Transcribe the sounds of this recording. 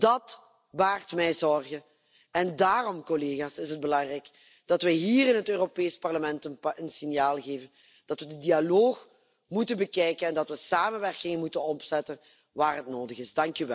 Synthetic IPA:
d̥ɑt | baːrtmɛjzɔrɣə | ɛndaːrɔmkɔleːɣaːsɪsɦəd̚bəlɑŋrɛjk | d̥ɑtʋɛɦiːrɪnɦətøːropeːspɑrləmɛntəənsɪnjaːlˠɣeːvən | d̥ɑtʋədədialoːx | mutənbəkɛjkənɛndɑtʋəsaːmənʋɛrkɪŋəmutənɔpz̥ɛtən | ʋaːrɦətnoːdəɣɪzdɑŋkyʋɛl

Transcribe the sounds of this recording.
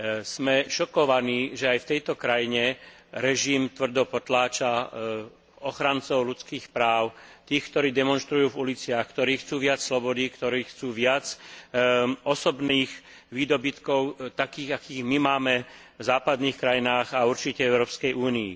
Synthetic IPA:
smɛʃɔkɔʋaniːʒɛajft̪ɛjt̪ɔkɾajiɲɛɾɛʒimt̪ʋr̩d̪ɔpɔt̪laːt͡ʃa | ɔxɾant͡sɔʊlut͡skiːxpɾaːʊt̪iːxkt̪ɔɾiːd̪ɛmɔnʃt̪ɾujuːvulit͡sɪaxkt̪ɔɾiːxt͡suːʋɪat͡sslɔbɔd̪ikt̪ɔɾiːxt͡suːʋɪat͡s | ɔsɔbniːx | ʋiːd̪ɔbit̪kɔʊt̪akiːɣakiːɣmimaːmɛ | vzaːpad̪niːxkɾajinaːɣauɾt͡ʃicɛɛʊɾɔːpskɛjʔuːnḭː

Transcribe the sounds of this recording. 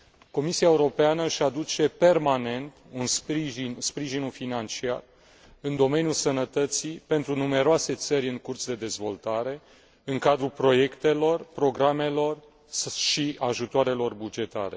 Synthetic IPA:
ko̞misiaeuɾo̞peanəɨʃad̪ut͡ʃe̞pe̞rmane̞nt̪unsɾiʒinspɾiʒinufinant͡ʃia̰r | ɨnd̪o̞me̞njulsənət̪ət̪sipe̞nt̪ɾunume̞ɾoase̞t̪səɾʲɨŋkurt̪sd̪e̞d̪e̞zvo̞lt̪aɾe̞ | ɨŋkad̪ɾulpɾo̞je̞kt̪e̞lo̞rpɾo̞ɡɾame̞lo̞r | ʃiaʒut̪oaɾe̞lo̞rbud͡ʒe̞t̪a̰ɾe̞̰

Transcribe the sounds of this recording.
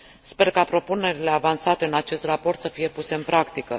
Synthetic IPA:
spe̞rkapɾo̞pune̞ɾile̞avansat̪e̞ɨnat͡ʃe̞st̪rapo̞rt̪səfije̞puse̞ɨnpɾakt̪ikə

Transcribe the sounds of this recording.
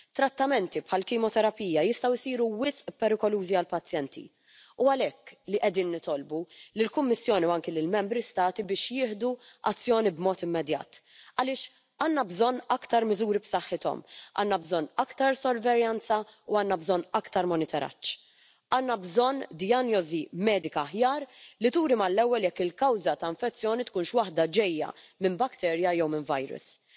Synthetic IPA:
t̪ːɾɐt̪ːɐmɛnt̪ipħɐlkɪːmɔt̪ɛɾɐpiːjɐjɪst̪ɐwɪsiːɾuwɪsʔpɛɾɪkɔluːziɐlpɐt͡sːjɛnt̪ʰḭ | uɐlɛkːliʔɛd̪iːnːɪt̪ɔlbulɪlkʊmːɪsːjɔːniuɐŋkilɪlmɛmbɾist̪ɐːt̪ibɪːʃjɪːħd̪uʔɐ̰t͡sːjɔːnibmɔːt̪ɪmːɛd̪jɐ̰ːt̪ | ɐlɪːʃ | ɐːnːɐbzɔnːɐkt̪ɐɾmɪzuːɾipsɐħːɪt̪ɔ̰mʔɐ̰ːnːɐbzɔnːɐkt̪ɐɾsɔɾvɛɾjɐnt͡sɐuɐːnːɐbzɔnːɐkt̪ɐɾmɔnɪt̪ɛɾɐ̰t͡ʃː | ɐːnːɐbzɔnːd̪ɪjɐnjɔzimɛːd̪ɪkɐːħjɐːɾlit̪uːɾimɐlːɛwːɛljɛkːɪlkɐwzɐt̪ɐɪ̃ɱfɛt͡sːjɔːnit̪kuːnʃwɐħd̪ɐd͡ʒɛjːɐ̰mɪnbɐkt̪ɛːɾjɐjɛwmɪnvɐjɾʊ̰s

